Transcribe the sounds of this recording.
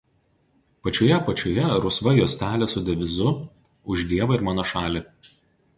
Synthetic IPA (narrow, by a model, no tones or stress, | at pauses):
pɐt͡ʃʲoːjɛpɐt͡ʃʲoːjɛɾʊsʋɐjoːsʲt̪ʲæːlʲɛsʊd̪ʲɛʋʲɪzʊ | ʊʒʲd̪ʲiɛʋɐɪɾmɑːnoːʃɑːlʲɪ